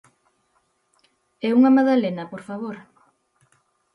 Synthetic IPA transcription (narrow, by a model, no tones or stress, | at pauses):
ɛuŋɐmaðalenɐpoɾfaβoɾ